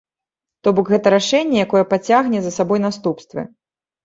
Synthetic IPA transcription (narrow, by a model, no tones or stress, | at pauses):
t̪ɔbɔkɣɛt̪ɐɾaʂɛnʲːɛjakɔjɛpat͡sʲaɣnʲɛzɐsabɔjnast̪upst̪vɨ̰